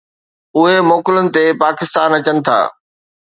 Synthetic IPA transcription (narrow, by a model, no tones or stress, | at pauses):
ʊɦemoːkɪlənɪ̆t̪epaːkɪst̪aːnɐt͡ɕənɪ̆t̪ʰa̰ː